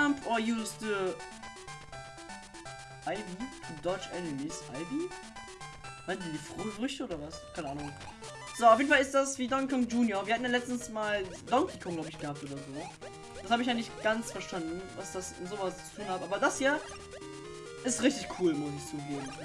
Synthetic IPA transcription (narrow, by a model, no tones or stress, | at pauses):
ampʔoːɐjuːsðə | ʔaɪbidɔt͡ʃʔɛnmɪsʔa̰ɪbi | maɪn̩diːfʁ̥fʁʏçtəoːdɐvaskʰaɪnəʔaːnʊŋ | z̥oːaʊfjeːdn̩falɪstd̥asv̥iːdɔŋkɔŋd͡ʒuːnjoviɐhatn̩jaːlɛt͡stn̩smaːl | d̥ɔŋkʰikʰɔŋɡlaʊbəɪçɡ̥əhaːp̚tʔoːdɐzoː | d̥ashaːbəɪçjaɪŋnɪçtɡ̥ant͡sfɛɐʃtandn̩vasd̥asɪ̰nzoːvast͡su̥tʰuːnhaːbəʔaːbɐdasjaː | ʔɪstʁɪçtɪçkʰuːlmazit͡subiːn